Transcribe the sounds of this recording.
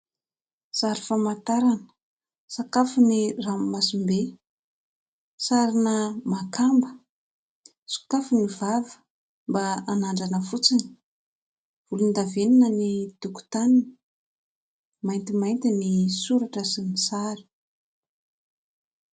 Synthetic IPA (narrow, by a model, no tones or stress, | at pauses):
saɾifamat̪aɾanə̥ | sakafuniramːasimbe | saɾinəmakʰambə̥ | su̥kafunivavə̥ | mbaanaɳɖ͡ʐanəfut͡sin | vulund̪aveninənid̪̥uku̥t̪anini̥ | majnt̪imajnt̪inisuɾaʈ͡ʂəsinisaɾi̥